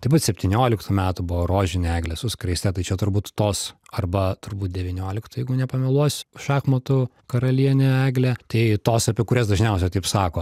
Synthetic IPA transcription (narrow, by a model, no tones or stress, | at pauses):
t̪ɐɪbuːt̪sʲɛpʲt̪ʲinʲoːlʲɪkt̪umʲæːt̪ʊbʊʋoːɾoːʒʲɪnʲɪæːɡlʲɛsʊskɾɐɪsʲt̪ʲɛt̪ɐɪt͡ʃʲɛt̪ʊrbuːt̪t̪oːsɐrbɐt̪ʊrbuːt̪̚d̪ʲɛʋʲɪnʲoːlʲɪkt̪ʊjɛɪɡʊnʲɛpɐmʲɪlˠuɔsʲʃɑːxmɐt̪ʊkɐɾɐlʲiɛnʲɛæːɡlʲæt̪ɐɪt̪oːsɐpʲiɛkʊɾʲɛsd̪ɐʒʲnʲɛʊsʲɛt̪ɐɪpsɑːkoː